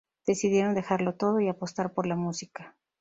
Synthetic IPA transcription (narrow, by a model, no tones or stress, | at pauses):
d̪̥e̞siðje̞ɾo̞nd̪e̞xaɾlo̞t̪o̞ð̞o̞iapo̞st̪aɾpo̞ɾlamusika